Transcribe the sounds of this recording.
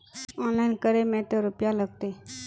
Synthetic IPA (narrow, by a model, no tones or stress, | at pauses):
ɔnlainkəɾemɛʈəɾupjaləɡ̚t̪e